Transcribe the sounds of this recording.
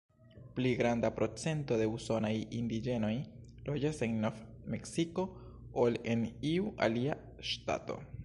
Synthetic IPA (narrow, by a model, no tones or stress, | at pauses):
pliɡɾandapɾo̞t͡se̞nto̞de̞uso̞najindid͡ʒe̞no̞jlʔo̞d͡ʒase̞ŋnofmeksiko̞ | ole̞niuʔa̰lia | ʃta̰to̞̰